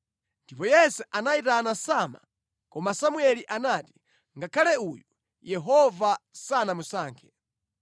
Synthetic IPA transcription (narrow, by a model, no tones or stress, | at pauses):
ndipɔjɛsɛʔanaitanasama̰ | kɔmasamuɛliʔanaːti̥ | ŋɡakʰalɛuju | jɛɦɔvasanamusaːŋkʰɛ̥